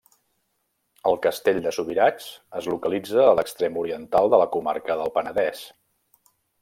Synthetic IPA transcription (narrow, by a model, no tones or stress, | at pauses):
əlˠkəst̪eʎd̪əsuβiɾat͡ʃəzlukəlid͡zəːləkst̪ɾemuɾiənt̪alˠd̪ələkuma̰ɾkəðəlˠpənəðɛs